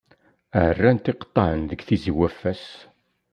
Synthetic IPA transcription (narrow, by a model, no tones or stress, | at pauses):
əʕərːænt̪ɪqə̥t̪ˤːɑʕənðəɡθiziwæfːæs